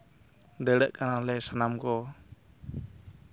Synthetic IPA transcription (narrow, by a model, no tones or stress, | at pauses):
d̪əɽəʔkanalɛsanamkɔ